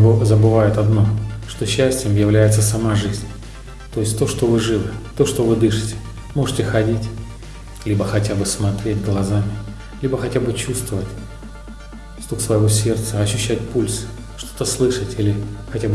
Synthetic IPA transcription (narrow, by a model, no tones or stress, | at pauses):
bzəbɨvajɪt̪ɐd̪no̞ʂt̪o̞ɕːæsʲtʲɪjəmjɪvlʲæjɪt̪səsɐmaʐɨzʲnʲ | t̪o̞ɪsʲtʲt̪o̞ʂt̪o̞vɨʐɨvɨt̪o̞ʂt̪o̞vɨd̪ɨʂɨ̥tʲɪ̥ | mo̞ʐɨtʲɪxɐdʲitʲ | lʲibəxɐtʲabɨsmɐt̪ɾʲet̚ʲɡlˠɐzamʲɪ | lʲibəxɐtʲabɨt͡ɕust̪vəvətʲ | st̪ˠuksvəjvo̞sʲe̞rt̪səɐɕːʏɕːætʲpulʲsɨ̥ | ʂt̪o̞t̪əslˠɨʂətʲilʲɪxɐtʲabɨ